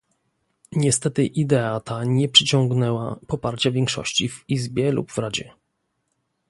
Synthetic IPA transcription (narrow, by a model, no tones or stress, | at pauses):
ɲɛst̪ɛt̪ɘʔid̪ɛat̪aɲɛpʂɘt͡ɕɔ̃ŋɡnɛwa̰pɔpaɾt͡ɕavʲjɛŋkʂɔ̰ɕt͡ɕivizbʲjɛlṵbvɾad͡ʑɛ̰